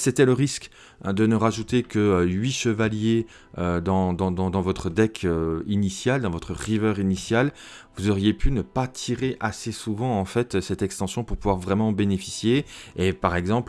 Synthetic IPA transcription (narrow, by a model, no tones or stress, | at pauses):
set̪ɛləʁisk | d̪ənəʁaʒut̪ekəøɥiʃəvalje | ød̪ɑ̃d̪ɑ̃d̪ɑ̃d̪ɑ̃vɔt̪χəd̪ɛkʰøinisjald̪ɑ̃vɔt̪χəʁivœʁinisjal | vuzɔʁijepynəpat̪ʰiʁeʔasesuvɑ̃ɑ̃fɛt̪sɛt̪ɛkst̪ɑ̃sjɔ̃puʁpuvwaʁvʁɛmɑ̃benefi̥sjeːpaʁɛɡzɑ̃pl